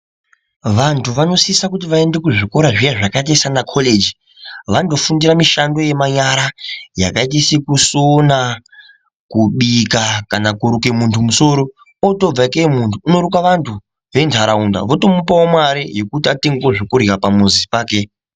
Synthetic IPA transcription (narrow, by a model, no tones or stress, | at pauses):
ʋantʰuʋano̞sisakutiʋae̞nde̞kuʐiko̞ɾaʐijeʐakait̬asanakʰole̞d͡ʒi | ʋando̞fundiramiʃando̞jemaɲaɾaja̰kaitisikusona | kuɓikakanakuɾukemuntʰumuso̞ɾo̞ | oto̞b͡vaikemuntʰuːno̞ɾukaʋantʰu | ʋe̞ntʰaɾaunda̰ʋo̞to̞mupaomwaɾijo̞kutiateŋɡoʐikurikapamuzisi̥paːke̞